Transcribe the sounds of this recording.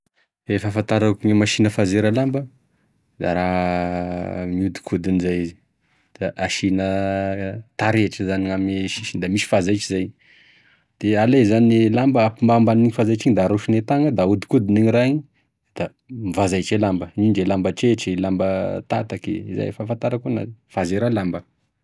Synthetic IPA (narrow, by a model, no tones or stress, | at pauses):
efəfant̪aɾakiŋimaʃinəfazeɾəlambə | d̪̥a̰ɾa | miud̪i̥kʰud̪inizajizi̥ | d̪̥aʔaʃinə | t̪aɾeʈ͡ʂəzaniŋameʃiʃind̪amiʃi̥fazajt͡ʃizaj | d̪̥ealezanilambəapimbambaniɲfazajt͡ʃiɲd̪aɾuʃinet̪aŋəd̪aud̪i̥kud̪iniɲiɾaɦiɲi | d̪̥a | mivazajt͡ʃelambəninɖ͡ʐelambəʈ͡ʂeʈ͡ʂelambət̪a̰t̪akḛiza̰jfafant̪aɾəkuna̰fazeɾalambə